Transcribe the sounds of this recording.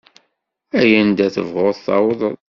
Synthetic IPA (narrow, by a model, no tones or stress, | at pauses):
æjənd̪æθə̰vʁoðˤθɑ̰wðˤl